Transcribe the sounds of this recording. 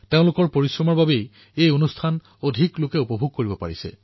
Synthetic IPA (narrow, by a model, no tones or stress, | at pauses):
teʊ̃lʊkɔɹpoɹisɹɔmɔɹbabej | ejonustʰan | odʱiklʊkɛupɔbʱuɡ̚koɹibɔpa̰ɹisɛ̰